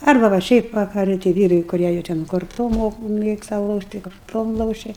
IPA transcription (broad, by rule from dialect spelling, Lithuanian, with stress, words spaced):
ˈɐrbɐ ʋɐ ˈʃʲɛɪp ʋɐkɐˈrɨ tɐɪ ˈʋʲiːrɐɪ kʊˈrʲiɛ jɛʊ tʲɛn koːrˈtoːm ˈmoːk ˈmʲeːkstɐ ˈlˠoːʃʲtʲ tɐɪ koːrˈtoːm ˈlˠoːʃʲɛ